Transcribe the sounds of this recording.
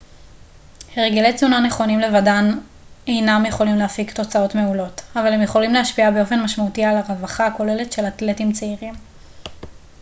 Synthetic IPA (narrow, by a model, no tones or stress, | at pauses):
heʁeɡilejt͡sunaneχo̞nimle̞vadan | e̞jnamjeχo̞limleafikto̞t͡sao̞tme̞ulo̞tavalhemjeχo̞limlehaʃpiabeo̞fe̞nmaʃmautialaʁavaχako̞le̞letʃe̞latletimt͡seiʁim